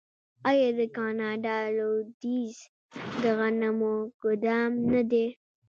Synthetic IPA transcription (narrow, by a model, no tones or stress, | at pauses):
ajɑd̪əkɑnɑɖɑlod̪iz | d̪əɣanamoɡ̥ʊd̪ɑmnad̪e